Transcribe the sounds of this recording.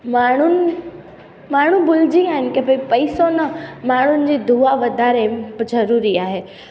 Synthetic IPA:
maːɳ̤ʊnɪ̆ | maːɽ̤ũbʊl̤ɪd͡ʑiaːɦɪnɪkɐ̃pɐipɐisonɐmaːɳ̤ʊnɪ̆d͡ʑeːd̪ʱuaʋɐd̪ʱaːɾebzɐɾuːɾiaːɦeː

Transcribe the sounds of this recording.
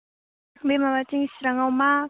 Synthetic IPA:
bemamat͡ʃiŋisɾaŋawma

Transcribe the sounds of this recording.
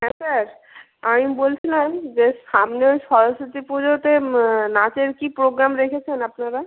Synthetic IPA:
ɦɛ̃saɾ | amibolt͡ɕʰilamd͡ʑeʃamneoʃɔɾoʃot̪ipud͡ʑot̪enat͡ɕeɾkipɾoɡɾamɾekʰet͡ɕʰenapnaɾa

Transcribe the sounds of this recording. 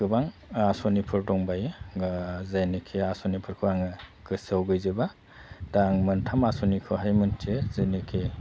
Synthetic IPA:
kɯbaŋasɔnipʰɯɾdɔŋbajɡzajnekʰeasɔnipʰɯɾkʰɯaŋɯkɯsawɡɯjzeba | daŋmɯntʰamasɔnikʰɯɦajmɯntʰezajnekʰe

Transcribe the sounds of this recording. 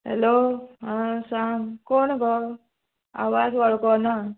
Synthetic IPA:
ɦḛloɦãsaŋkoɳɡɔ | a̰ʋasʋaɭkɔna

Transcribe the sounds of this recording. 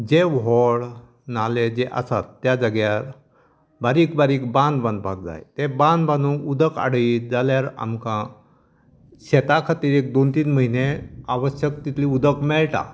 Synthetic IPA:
d͡ʑeʋɦɔɭ | naled͡zeʔa̰sat̪ːjad͡zəɡjaɾ | baɾiːkbaɾiːkbãnd̪bãnd̪pak̚d͡za̰jt̪ebãnd̪banũud̪əka̰ɽəid͡zaljaɾa̰mkã | ɕɛt̪akʰat̪iːɾek̚d̪ont̪iːnməɦineaʋəɕjəkt̪it̪ʰliud̪ʱəkmɛɭʈa̰

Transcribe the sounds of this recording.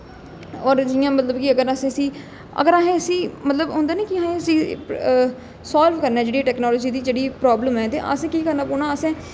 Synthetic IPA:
ɔːɾd͡ʒɪjãːmət̪ləbkɪəɡəɾasẽːəsĩː | ə̰ɡəɾaːɦẽːəsĩːmət̪ləbɦõːnd̪aːnẽːkɪãːɦẽːəsĩː | saːlʋkəɾnaɛːd͡ʒeːɽiːʈɛːknɔːloːd͡ʒiːd̪iːd͡ʒeːɽiːpɾɔːbləmɛːt̪ḛːʔa̰ːsẽːkiːkəɾnaːpʊnãːəsɛ̃ː

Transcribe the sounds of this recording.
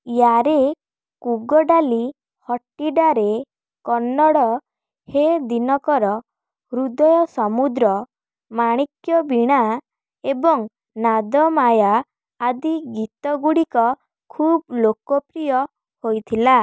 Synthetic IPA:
jaɾe | kuɡɔɖali | hɔʈiɖaɾe | kɔnːɔɽɔ | hed̪inɔkɔɾɔ | ɾud̪ɔjɔsɔmud̪ɾɔ | maɽ̃ikjɔbiɽ̃a | ebɔŋ | nad̪ɔmajaː | d̪iɡit̪ɔɡuɽikɔ | kʰublokɔpɾijɔ | hojt̪ʰila

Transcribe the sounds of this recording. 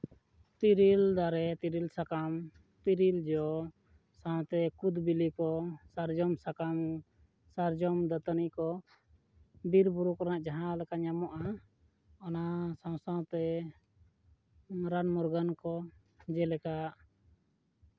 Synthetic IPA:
t̪iɾild̪aɾɛt̪iɾilsakam | t̪iɾild͡ʒɔ | saw̃t̪ɛkud̪bilikɔsaɾd͡ʒɔmsakam | saɾd͡ʒɔmd̪at̪anikɔ | biɾbuɾukɾanaʔd͡ʒaɦãlɛkaɲamɔʔa | ɔnasãw̃sãw̃t̪ɛ | ɾanmɔɾɡankɔ | d͡ʒɛlɛkaʔ

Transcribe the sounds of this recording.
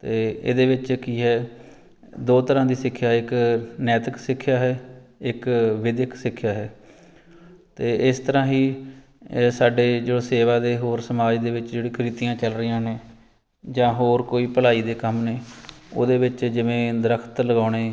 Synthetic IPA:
t̪eːḛːd̪eːʋɪt͡ʃkiːɦɛː | d̪oːt̪əɾãːd̪iːsɪkʰːjaːɪknɛːt̪əksɪkʰːjaːɦɛːɪkʋɪd̪ɪkʰsɪkʰːjaːɦɛː | t̪eːʔɪst̪əɾãːɦiː | saːɖeːd͡ʒeoseːʋaːd̪eːɦoːɾsəmaːd͡ʒd̪eːʋɪt͡ʃd͡ʒeːɽĩːkɾiːt̪ijãːt͡ʃəlɾɪjãːneː | d͡ʒãːɦoːɾkoːiːpəlaːiːd̪eːkəmneːo̰ːd̪eːʋɪt͡ʃd͡ʒɪʋẽːd̪əɾəkʰt̪ləɡaːɽ̃eː

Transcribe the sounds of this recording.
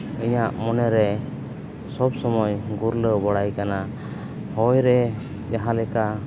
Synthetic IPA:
iɲaʔmɔnɛɾɛ | sɔbsɔmɔjɡuɾləbɔɽajkana | hɔjɾɛ | d͡ʒaɦãlɛka

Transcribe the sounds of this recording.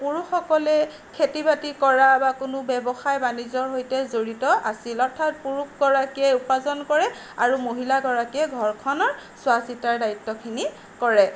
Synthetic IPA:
puɹuxɔkɔlɛ | kʰetibatikɔɹabakʊnʊbɛbɔxajbanizɔɹɦojtɛzoɹitɔʔasilɔɹtʰat̚puɹukɡɔɹakiɛupazɔnkɔɹɛ | aɹumoɦilaɡɔɹakiɛɡʱɔɹkʰɔnɔɹswasitaɹdaitːɔkʰini | kɔɹɛ

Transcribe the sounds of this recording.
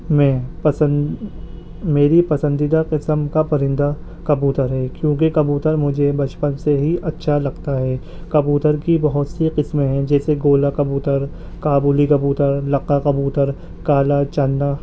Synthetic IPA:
mɛ̃ːpɐsə | meːɾipɐsə̃nd̪id̪aqɪsəmkapɐɾɪ̃nd̪a | kɐbuːt̪əɾɦɛːkjõːkekɐbuːt̪əɾmʊd͡ʒʱebɐt͡ʃpənseɦiʔɐtːʃʰalɐɡt̪aɦɛː | kɐbuːt̪əɾkibɐɦʊt̪siqɪsmɦɛ̃d͡ʒɛːseɡoːlakɐbuːt̪əɾ | kaːbuːlikɐbuːt̪əɾlɐqakɐbuːt̪əɾ | kaːlat͡ʃanːa

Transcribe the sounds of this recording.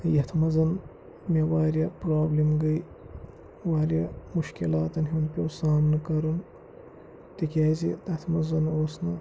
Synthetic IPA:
jɐt̪ʰmɐzɐn | mʲewaːɾjɐpɾaːblimɡɐj | waːɾʲjamuʃkilaːt̪ɐnɦinpʲosaːmnɨkɐɾun | t̪ikʲaːzḭt̪ɐt̪ʰmɐzɐnoːsnɐ

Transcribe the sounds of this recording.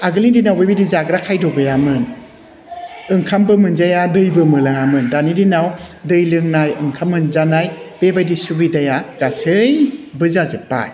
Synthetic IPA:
aɡɯlidinawbebidizaɡɾakʰajdɔbɯjamɯn | ɯŋkʰambɯmɯnzajadɯjbɯmɯlaŋamɯndanidinawdɯjlɯŋnajɯŋkʰamːɯnzanajb̥ebajdisubɯdajaɡ̥asɯjbɯzazɯpːa̰j

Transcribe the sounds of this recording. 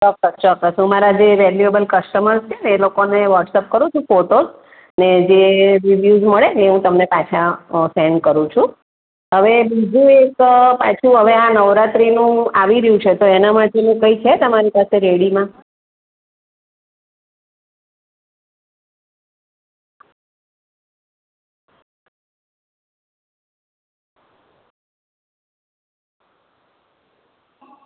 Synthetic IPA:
sɔkːəst͡ʃɔkəsũmaɾad͡ʒeʋɛljuebəlkəsʈəməɾst͡ʃʰeneːlokoneʋəʈsɛp̚kəɾũt͡ʃʰũfoʈoz | ned͡ʒeɾiʋjuzməɭeeɦũt̪əmnepat͡ʃʰaseɳɖkəɾũt͡ʃʰũ | ɦəʋebid͡ʒʱũekpat͡ʃʰũɦəʋeãnəʋɾat̪ɾinũaʋiɾəjũt͡ʃʰet̪oenamaʈenũkəit͡ʃʰet̪əmaɾipaseɾeɽimã

